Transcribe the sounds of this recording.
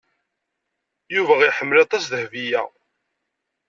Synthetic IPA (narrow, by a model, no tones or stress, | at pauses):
juvæʁiħəmːəlɑt̪ˤɑsðəhvijæ